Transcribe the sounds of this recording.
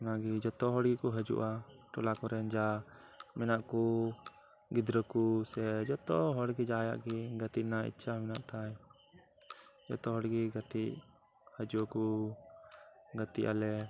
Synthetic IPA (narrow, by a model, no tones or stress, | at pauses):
naɡid͡ʒɔt̪ɔɦɔɽɡikɔɦəd͡ʒṵʔa | ʈɔlakɔɾɛnd͡ʒa | mɛnaʔku | ɡid̪ɾəkusɛd͡ʒɔt̪ɔɦɔɽɡid͡ʒaja̰ʔɡiɡət̪iʔnaḭt͡ʃʰamɛnaʔt̪aj | d͡ʒɔ̰t̪ɔɦɔɽɡiɡət̪iʔ | həd͡ʒuʔku | ɡət̪iʔa̰lɛ